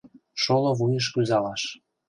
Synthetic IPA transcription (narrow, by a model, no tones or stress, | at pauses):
ʃoloβujəʃ̬kyzɑlɑʃ